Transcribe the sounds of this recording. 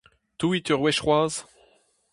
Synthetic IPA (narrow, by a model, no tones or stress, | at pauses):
t̪uit̪yʁwɛʃχwaːz